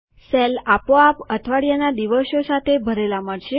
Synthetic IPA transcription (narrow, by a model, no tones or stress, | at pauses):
sɛlapoapət̪ʰʋaɽjanad̪iʋəʃjosat̪ʰebʱəɾelamaɽʃe